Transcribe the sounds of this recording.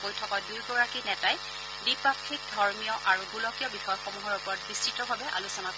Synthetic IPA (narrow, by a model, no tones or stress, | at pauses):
pojtʰɔkɔdujɡɔɹakinɛtaj | dipɹakʰik̚dʱɔɹmijɔʔaɹubulɔkijɔbixɔjɔxomuɦɔɹupɔɹɔt̚bistitɔbʱabɛʔa̰lusɔnak